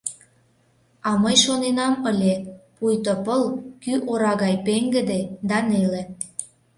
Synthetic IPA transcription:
ɑməjʃonenɑməlʲepujt̪opəlkyʔoɾɑɣɑjpeŋɡə̆d̪ed̪ɑnele

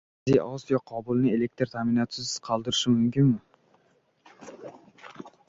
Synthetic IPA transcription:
zijʔɒsjɒqʰɒbʊlˠnɪe̞lek̚t̪ɾt̪ʰamɪnɒt̪sɪzqʰɑlˠd̪ɪɾɪʃɪmʊmkʲɪnmɪ

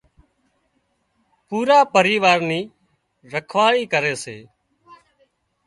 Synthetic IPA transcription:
puːɾaːpəɾiːʋaːɾniː | ɾəkʰʋaːɭiːkəɾeːseː

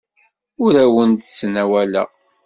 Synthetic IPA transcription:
ʊɾæwənt̪snæwælæ̰

